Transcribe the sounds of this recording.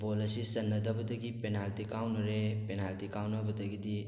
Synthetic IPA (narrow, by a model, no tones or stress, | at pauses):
boːlɐsisɐnːɐd̪ʱɐbɐt̪ɐɡipenaːlt̪ikaːwnɐɾepenaːlt̪ikaːwnɐbʱɐt̪ɐɡid̪i